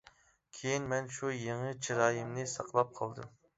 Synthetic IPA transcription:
kʲʰejinmɛnʃujeŋɨt͡ʃʰiɾɑːjimnɨsɑqʰlˠɑp̚qʰɑlˠd̪ṵ

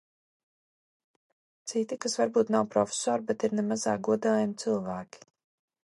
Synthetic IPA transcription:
t̪sit̪ikasvaɾbuːt̪nawpɾɔfʲe̥sɔːɾbet̪iɾnemazaːɡuɔd̪aːjamit̪sɨlˠvæːkʲi̥

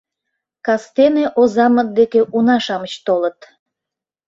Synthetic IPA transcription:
kɑst̪eneʔozɑmət̪̚d̪ekeʔunɑʃɑmət͡ɕt̪olət̪

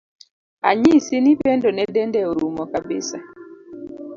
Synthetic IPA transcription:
a̰ɲisinipɛndɔnɛdɛndɛoɾumɔkabɪ̰sa̰

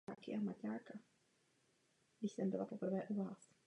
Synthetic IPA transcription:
aːkɪʔamacaːka | ɡdɪçsɛmbɪlapo̞pr̩vɛːʔuvaːs

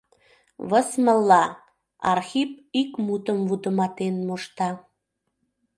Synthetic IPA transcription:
βəsməlːɑ | ɑ̰rxip̚ikmut̪əmvut̪əmɑt̪enmoʃt̪ɑ

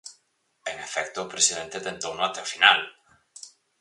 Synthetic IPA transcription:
enefɛkt̪opɾesiðent̪et̪ent̪onoat̪ewfinal

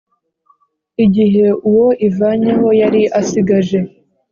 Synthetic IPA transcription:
iɟiɦe̞ʔuwo̞ʔivaːɲe̞ɦo̞jaɾiʔasiɡaʒe̞

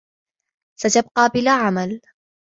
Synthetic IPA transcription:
sat̪ab̚qɑːbɪlaːʕamal

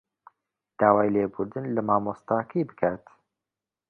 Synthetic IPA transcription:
d̪̥aːwaːjleːbuɾd̪ɨnlɐmaːmoːst̪aːkʰɐjbɨkʰaːt̪

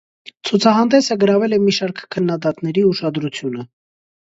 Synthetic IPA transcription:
t͡sʰut͡sʰɑɦɑnd̪ɛsəɡəɾɑvɛlɛmiʃɑɾkʰkʰːənːɑd̪ɑt̪nɛɾiuʃɑd̪ɾut͡sʰjunə

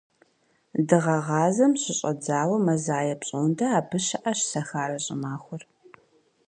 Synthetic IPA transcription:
dɨʁɐʁɑːzɐmɕɪɕʼɐ̰d͡zaːwɐmɐzaːjɐpɕʼondɐaːbʰɨɕɐʔɐɕɬɐxaːɾɐɕʼɪ̰maːxʷʊr

